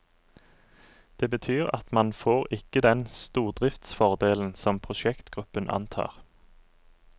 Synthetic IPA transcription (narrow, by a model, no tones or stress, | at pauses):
d̪̥eːbət̪ʰyːʁɑ̰t̪mɑnfoːʁɪkəd̪ɛnst̪uːʁd̪ʁɪft̪sfɔʁd̪eːln̩sɔmpʰʁʊʃɛkt̪ɡ̥ʁʉpənʔɑ̰nt̪ʰɑ̰ːʁ